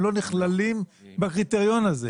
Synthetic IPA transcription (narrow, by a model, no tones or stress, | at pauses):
lo̞niχlalimbakʁit̪eʁjo̞naze